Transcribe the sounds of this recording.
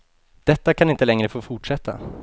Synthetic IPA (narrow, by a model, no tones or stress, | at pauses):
d̪̥ɛt̪ːakʰanɪnt̪əlɛŋɾəfoːfʊʈʂɛt̪ʰːa̰